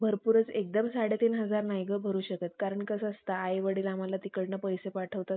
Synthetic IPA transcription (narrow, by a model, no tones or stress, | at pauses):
bʱəɾpuɾət͡sek̚d̪əmsaɽet̪iːnɦəd͡zaɾnajɡəbʱəɾuːɕəket̪̚kaɾəɳkəsəst̪aːjʋəɽiːlam̤alat̪ikəɽnəpəjsepaʈʰəʋt̪a